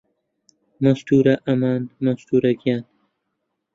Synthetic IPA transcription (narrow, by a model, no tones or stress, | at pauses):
mɐst̪uːɾɐʔɐmaːnmɐst̪uːɾɐɡijaːn